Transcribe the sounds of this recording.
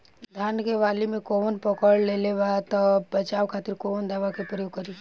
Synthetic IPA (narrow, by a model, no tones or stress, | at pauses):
d̪ʱaːnkeʋaːlimẽkonpɔkəɭleleʋat̪ɔbɐt͡ʃaːʋkʰaːt̪ɪɾkond̪aːʋakepɾəjoːɡ̚kəɾi